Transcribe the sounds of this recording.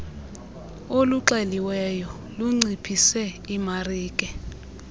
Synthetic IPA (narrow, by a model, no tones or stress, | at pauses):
oluǃeliwɛjɔ | luŋ͡ǀipʰisɛimariːkʼɛ